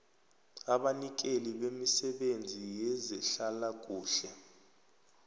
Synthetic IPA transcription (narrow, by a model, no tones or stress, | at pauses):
aɓanik̬ʼeliɓemisɛɓend͡zʱijɛzɛɬalak̬ʼuːɬɛ